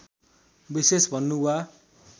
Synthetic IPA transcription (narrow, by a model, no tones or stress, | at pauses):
bisesbʱʌnːuua